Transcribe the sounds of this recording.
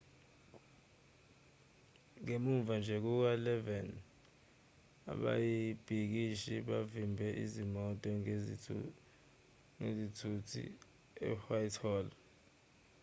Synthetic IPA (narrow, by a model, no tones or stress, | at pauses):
ŋemuɱvand͡ʒʱɛk̬uk̬alɛvɛn | a̰ɓa̰jib̥ʱik̬iʃiɓavimbʱɛʔizimɔtʼɔ | ŋezitʰutʰḭ | ɛ̰fajtʰɔːl